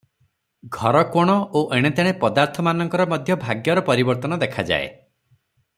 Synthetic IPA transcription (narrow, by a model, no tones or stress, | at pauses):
ɡʱɔɾɔkoɽ̃ɔoʔeɽ̃et̪eɽ̃epɔd̪aɾt̪ʰɔmanɔŋkɔɾɔmɔd̪ʱjɔbʱaɡjɔɾɔpɔɾibɔɾt̪ɔnɔd̪ekʰad͡ʒa̰ḛ